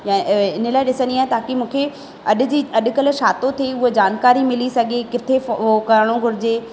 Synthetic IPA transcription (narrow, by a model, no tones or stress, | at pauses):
jãːɪnəlaːɪɗɪsə̃nd̪iaːɦet̪aːkimũːkʰe | ɐɗʊ̆d͡ʑiːɐɗʊ̆kɐl̆ʃaːt̪ot̪ʰieʊɦod͡ʑaːnkaːɾimɪlisɐɡʱekɪt̪ʰefokɐɾəɽ̃õɡʱʊɾɪd͡ʑeː